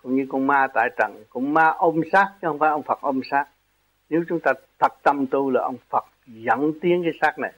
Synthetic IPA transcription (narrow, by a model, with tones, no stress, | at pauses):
kʊ̰˧˥ŋ͡mɲɨ˧kʊ˧ŋmaː˧t̪a̰ː˧˨˩jt͡ɕə̰˧˩ŋkʊ̰˧˥ŋ͡mmaː˧ʔo˧msaː˦˥k̚t͡ɕɨ˦hə˧wŋ͡mfaː˧˦ʔə˧wŋ͡mfə˨˩k̚ʔo˧msaː˦˥k̚ | ne˨˦wt͡ɕʊ˨˦ŋ͡mt̪aː˧t̪ʰə˨˩t̚t̪ə˧˩mt̪u˧laː˨˩ʔə˧wŋ͡mfə˨˩k̚zə̰˧˩˥nt̪i˨˦əŋkaː˨˦jsaː˦˥k̚na˨˩j